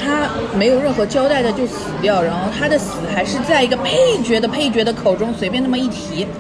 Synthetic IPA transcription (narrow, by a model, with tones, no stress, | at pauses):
t̪ʰa˥ | me˧˥ɪjo˨˩ʊɻə˥˩nxɤ˧˥t͡ɕjɑ˥ʊt̪a˥˩ɪd̪ə˩t͡ɕjo˥˩ʊsɹ̩˨˩t̪jɑ˥˩ʊɻa˧˥nxo˥˧ʊt̪ʰa˥d̪ə˨sɹ̩˨˧˩xa˧˥ɪʂɻ̩˥˧t͡sa˥˩ɪi˧˥ɡə˧pʰe˥˩ɪt͡ɕɥɛ˧˥d̪ə˧pʰe˥˩ɪt͡ɕɥɛ˧˥d̪ə˧kʰo˨˩ʊʈ͡ʂʊ˥ŋswe˧˥ɪpjɛ˥˧na˥˩mə˩i˥˩t̪ʰi˧˥